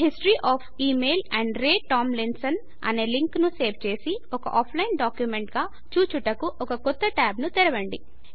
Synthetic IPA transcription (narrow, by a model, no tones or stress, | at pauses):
ɦisʈɾiːʔaːpʰiːmeːlɛɳɖɾeːʈaːmlinsɐn | ɐ̰ne̞ːliŋknuse̞ːʋt͡ʃe̞ːsiɔkɐʔaːpʰlɐjinɖaːkjumeɳʈɡaː | t͡ʃuːt͡ʃuʈɐkuʔɔkɐkɔt̪ːɐʈaːbnut̪iɾɐʋɐɳɖi